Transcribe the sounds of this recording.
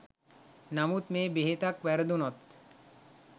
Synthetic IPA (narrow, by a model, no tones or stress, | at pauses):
namut̪meːbeɦet̪akʋæɾəd̪unɔt̪